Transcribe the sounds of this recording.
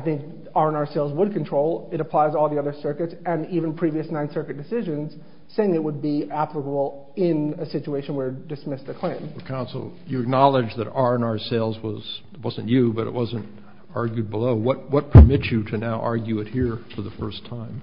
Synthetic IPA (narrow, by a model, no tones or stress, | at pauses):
aɪθɪ̃ŋk̚ | ɑɹə̃nɑɹseɪlˠzwəd̚kʰntʰɹ̥oʊlˠɨɾəpʰl̥aɪzɔlˠðiʌðə˞sɜ˞kɨtsɨ̃nivɨ̃npʰɹ̥iviɨsnãɪ̃nsɜ˞kɨt̚d̥ɨsɪʒɨ̃nz̥ | seɪɪ̃ŋɨt̚wəd̚biæpləkəbl̩ˠ | ɪ̃nɨsɪt͡ʃueɪʃɨ̃n̩wə˞dɨsmɪsɨkʰl̥ẽɪ̃mkʰãʊ̃nsl̩ˠjɨɨk̚nɑlˠɨd͡ʒðɨɾɑɹɨ̃nɑɹseɪlˠzwʌz̥ | t̚wʌzɨ̃nt͡ʃɨbʌɾɨ̰ʔ̚wʌzɨ̃nt | ɑɹɡjʉd̚bəloʊwʌt̚wʌt̚pʰə˞mɪt͡ʃɨɾɨnaʊʔɑ̰ɹɡjʉɨt̚hiɹfə˞ðəfɜ˞stʰãɪ̃m